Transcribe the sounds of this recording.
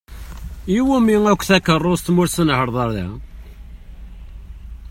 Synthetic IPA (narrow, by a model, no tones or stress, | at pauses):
iwumiŋækʷːθækərˤːost̪mʊɾsənhəɾðˤəɾðæ̰